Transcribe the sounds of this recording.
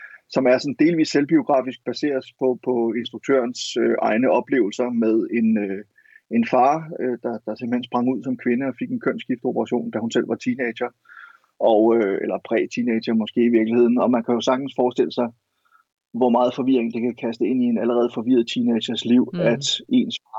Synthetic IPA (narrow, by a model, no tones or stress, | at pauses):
sɒ̽mæɐsɒ̽n̩d̥e̝ːlʋḭːsːelb̥io̝ɡ̥ʁɑ̰̈ːfisɡ̥̚b̥æse̝̰ːɐpʰɒ̽pʰɒ̽e̝nsd̥ʁuɡ̥̚t͡sʰø̰ɐnsøʔɑ̈ɪnəɒ̽b̥le̝̰ːʊl̩sɐmeðˠe̝nø | e̝nfɑ̈ːød̥ɑ̈d̥ɑ̈semb̥əhensb̥ʁɑ̈ŋuð̞̰ˠsɒ̽mkʰʋe̝nəɒ̽fe̝ɡ̥enkʰøn̰sɡ̥ifd̥əo̝pʰɐʁɑɕo̝̰ːnd̥æhunsel̰ʋɑ̈t͡sʰined̥ɕɐ | ɒ̽ʊøelɐpʰʁɛ̰ːt͡sʰine̥ɕɐmɒ̽sɡ̥e̝̰ːiʋiɐɡ̥lihe̝ð̰ˠn̩ɒ̽mænkʰæjo̝sɑ̈ɡ̥̚d̥n̩sfɒːsd̥e̝l̰əsɑ̈ɪ | ʋɒmɑ̈ːð̞̩ˠfɒ̽ʋiɐeŋ̩d̥e̝kʰækʰæsd̥əe̝n̰ie̝næləʁɛːð̞̩ˠfɒ̽ʋiɐð̞̩ˠt͡sʰiːne̥ɕɐsliʊ̰æd̥e̝̰nsfɑː